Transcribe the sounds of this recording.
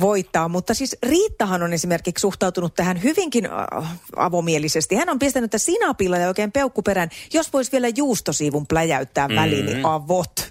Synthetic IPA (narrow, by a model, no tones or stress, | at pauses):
ʋoit̪ːɑːmmut̪ːɑsiːsriːt̪ːɑhɑnonesimerkikssuht̪ɑut̪unut̪t̪æhænhyʋiŋkin | ɑ̰ʋomielisest̪ihænompist̪ænyet̪ːæsinɑpilːɑjɑoikeːmpeukːupeɾænjosʋoisʋielæjuːst̪osiːʋumplæjæyt̪ːæːʋʋælinḭʔɑʋot̪